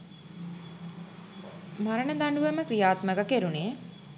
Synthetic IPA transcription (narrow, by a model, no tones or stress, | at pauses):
maɾəɳəd̪aɳɖuʋəməkɾijaːt̪məɡəkeɾuneː